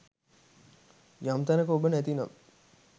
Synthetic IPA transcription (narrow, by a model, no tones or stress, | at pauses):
jamt̪ænəkəobənæt̪ina̰m